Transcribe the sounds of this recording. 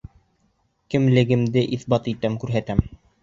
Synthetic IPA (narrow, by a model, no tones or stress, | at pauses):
kɘ̆mlɘ̆ɡɘ̆md̪ɘʔiθbɑt̪it̪æmkʉɾɦæt̪æm